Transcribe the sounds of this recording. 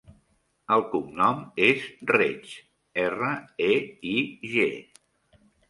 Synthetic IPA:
əlˠkumnɔmezret͡ʃ | ɛrəeiʒḛ

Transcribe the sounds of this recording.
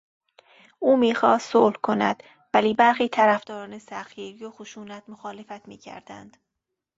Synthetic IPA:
uːmiːxɒːst̪soːlhkʰo̞næ̰d̪̥ | væliːbæɾxiːt̪ʰæɾæfd̪ɒːɾɒːne̞sæxiːɾijoxoʃuːnæt̪moxɒːlefæt̪miːcʰæ̰ɾd̪æ̰nd̪̥

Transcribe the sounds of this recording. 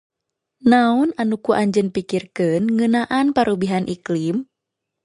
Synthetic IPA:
naɔnanukuʔaɲd͡ʒənpikirkɨnŋənaʔanpaɾʔubiɦanʔiklim

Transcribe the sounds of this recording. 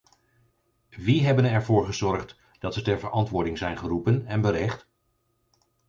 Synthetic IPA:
ʋiɦɛbənɛɹvʊːɹχəzɔɹχt | d̥ɑtsətɛɹvəɹʔɑntʋʊːɹdɪŋzɛjnχərupənɛnbəɾɛχt

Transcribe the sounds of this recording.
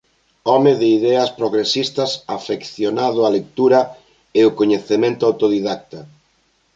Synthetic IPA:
ɔmɪðɪiðɛɐspɾoɣɾesist̪ɐsafekθjonað̞ʊɐlek̚t̪uɾɐ | eʊkoɲeθemẽnt̪ʊawt̪oðiðak̚t̪ɐ

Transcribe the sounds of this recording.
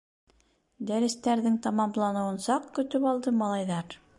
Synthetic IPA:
d̪æɾɘ̆st̪æɾðɘŋt̪ɑmɑmlˠɑnɤ̆wɤ̆nsɑqkɵ̆t̪ɵpɑlˠd̪ɤmɑlˠɑjðɑɾ

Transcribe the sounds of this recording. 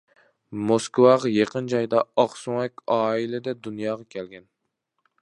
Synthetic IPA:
moskwɑʁɑjeqənd͡ʒɑjd̪ɑɑχsuŋɛkʲɑːilɪd̪ɛd̪unjɑːʁɑkʲʰɛlɡʲɛn

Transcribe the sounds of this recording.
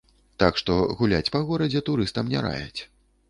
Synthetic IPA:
t̪akʂt̪ɔɣulʲat͡sʲpɐɣɔɾɐd͡zʲɛt̪uɾɨst̪ɐmnʲɛ̰ɾa̰jɛ̰t͡sʲ

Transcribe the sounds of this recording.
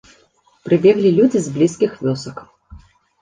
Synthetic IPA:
pɾɨbʲɛɣlʲilʲud͡zʲizblʲiskʲixvʲɔsɐk

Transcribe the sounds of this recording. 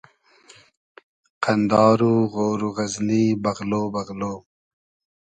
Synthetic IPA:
qʰand̪ɑːɾuɣoːɾuɣaznibɐɣloːbaɣloː

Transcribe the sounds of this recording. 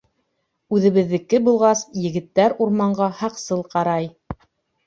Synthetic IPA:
ʉðɘ̆βɘ̆ðːɘ̆kːɘbulˠʁɑsjɘ̆ɡɘ̆t̪ːæɾuɾmɑɴɢɑhɑqsɤlˠqɑɾɑj

